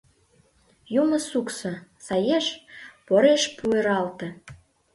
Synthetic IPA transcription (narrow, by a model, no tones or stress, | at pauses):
jumə̆suksɤ̆sɑjeʃpoɾeʃpueɾɑlt̪ĕ